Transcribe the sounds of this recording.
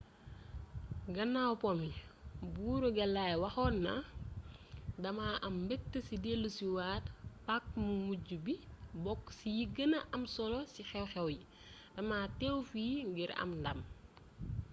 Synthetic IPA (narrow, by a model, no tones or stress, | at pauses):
ɡɐnːawpɔmibuːɾuɡɛlːajwɐxɔːnːɐ | dɐmaʔɐmbɛk̚təsidelːusiwaːtpak̚mumuɟubibɔkːsijiɡənɐʔɐmsɔlɔsixɛwxɛwji | d̥ɐmaːtɛwfiːŋɡiɾɐ̰mndɐm